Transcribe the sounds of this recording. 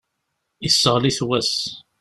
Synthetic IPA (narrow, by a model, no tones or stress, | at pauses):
isːəʁliθwæs